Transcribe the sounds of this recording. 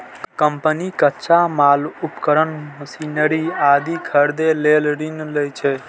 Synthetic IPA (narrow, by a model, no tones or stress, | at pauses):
kəmpənikətːʃʰamalupkəɾənməsinəɾiad̪ikʰəɾd̪elelɾinləjt͡ʃʰɛ